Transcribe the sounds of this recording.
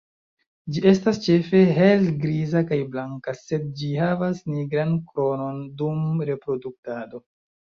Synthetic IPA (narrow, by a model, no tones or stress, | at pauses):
d͡ʒiʔe̞stast͡ʃe̞fe̞ɦe̞lɡɾizakajblaŋkase̞d̚d͡ʒihavasniɡɾankɾo̞no̞ndumɾe̞pɾo̞duk̚tado̞